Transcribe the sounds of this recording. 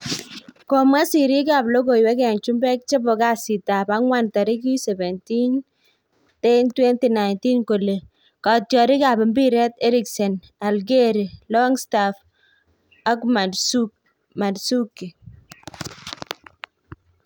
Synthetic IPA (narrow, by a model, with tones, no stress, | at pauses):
kɔ˨ma˦si˨ɾi˦kaː˨blo˦ɡo˨jwɛ˦kɛ˨nt͡ʃu˦mbɛ˦k̚t͡ʃe˦bɔ˨ka˦si˨ta˨ba˦ŋwa˦nta˨ɾi˦k̬i˦sɛ˨bɛ˨nti˦n | te˦ntwɛ˦nti˨na˨ɪnti˦nko˨le˨ | katjɔ˨ɾi˦ka˨bɪ˨mbi˦ɾɛ˦tɛ˦ɾɪ˦ksɛ˨n | a˨lɡe˦ɾi˨lɔ˦ŋstaf | a˦kma˨dsu | ma˨dsu˦kːi˨